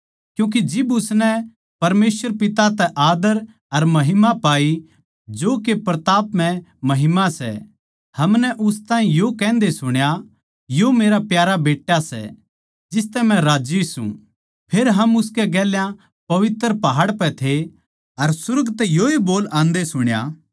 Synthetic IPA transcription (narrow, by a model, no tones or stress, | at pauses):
kjũːk̬id͡ʒɪbʊsnɛ | pɐɾmeːsʋəɾpɪt̪at̪ɛʔaːd̪əɾ | ɐɾmɐɦɪmapaːi | d͡ʒoːkepɾɐt̪aːpmɛ̃mɐɦɪmasɛ̰ | hɐmnɛʔʊst̪ãːĩjokɛ̃ːnd̪esʊɽ̃ja | jomeːɾapjaːɾabeːʈjasɛ̰ | d͡ʒɪst̪ɛmɛ̃ɾaːd͡ʒisṵ̃ | pʰeːɾɦɐmʊskɛɡɛːljã | pɐʋɪt̪ːəɾpɐɦaːɽpɛt̪ʰe | ɐɾsʊɾɡt̪ɛjoːiboːlãːnd̪esʊɽ̃ja̰ː